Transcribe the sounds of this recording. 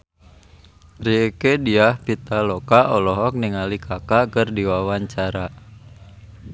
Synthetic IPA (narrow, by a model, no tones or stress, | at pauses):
riekediahpit̪alɔkaʔɔlɔɦɔk̚niŋalikʰakakərdiwawaɲt͡ʃaɾa